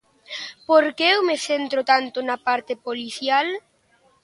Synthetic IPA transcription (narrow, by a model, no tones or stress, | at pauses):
poɾkeewmeθent̪ɾʊt̪ant̪ʊnapaɾt̪epoliθjal